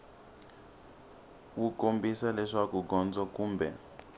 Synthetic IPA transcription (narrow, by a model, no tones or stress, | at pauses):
wukombisalɛʂakuɡɔnd͡zɔkuːmbɛ̰